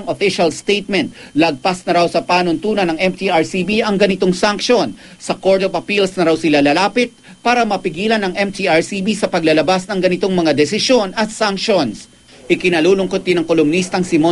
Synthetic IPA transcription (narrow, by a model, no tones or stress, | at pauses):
ŋofɪʃɐlst̪ejt̪̚mɛnt̪̚lɐɡ̚pasnɐɾawsɐpaːnont̪uːnɐnɐŋʔɛmt̪iʔaɹsibiʔɐŋɡɐnɪt̪o̞ŋsaŋkʃo̞n | sɐko̞ɹd̪ovɐpilsnɐɾawsɪlalɐlaːpɪt̪̚ | paːɾɐmɐpɪɡiːlɐnɐŋʔɛmt̪ʰiʔaɹsibisɐpɐɡlɐlɐbasnɐŋɡɐnɪt̪o̞ŋmɐŋad̪ɛsɪʃjo̞nɐt̪saŋkʃo̞ns | ʔɪkɪnɐluːlʊŋkot̪̚d̪ɪnɐŋkolʊmnist̪ɐŋsɪmo